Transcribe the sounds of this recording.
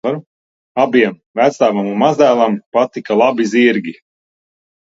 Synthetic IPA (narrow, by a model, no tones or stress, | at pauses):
aɾu | abiɛm | væt̪st̪aːvamunmazd̪æːlˠampat̪ikalˠabiziɾɡʲi